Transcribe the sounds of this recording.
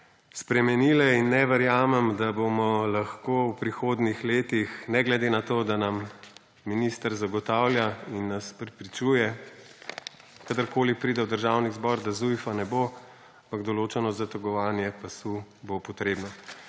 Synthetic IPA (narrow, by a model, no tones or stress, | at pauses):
spɾɛmɛnilɛinːɛʋɛɾjaːmɛmd̪abomɔlaxkoːwpɾixoːd̪nixleːt̪ixnɛɡlɛd̪enat̪oːd̪anamː | inist̪əɾzaɡɔt̪awlʲjainːaspɾɛpɾit͡ʃuːjɛ | kad̪əɾkoːlipɾiːd̪ɛwd̪əɾʒawnizbɔɾd̪azujfanɛbo | ampaɡd̪ɔloːt͡ʃɛnɔzat̪ɔɡɔʋaːnjɛpasubopɔt̪ɾeːbnɔ